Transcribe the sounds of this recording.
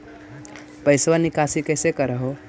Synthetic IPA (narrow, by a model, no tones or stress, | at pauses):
pəɪsʋənikasikəɪsekəɾəɦo